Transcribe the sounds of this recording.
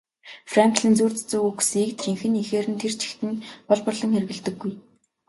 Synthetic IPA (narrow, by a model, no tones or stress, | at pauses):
fraŋkɮiːnt͡suːrt͡st͡suɣuksiːk̚t̪ʰriŋxɘ̆nixeːɾɘ̆nt̪ʰert͡ɕʰi̥xt̪ɘ̆npɔɮpɔ̆rɮɞ̆ŋxer̆ɣɘ̆ɮt̪ɘ̆ɡːuj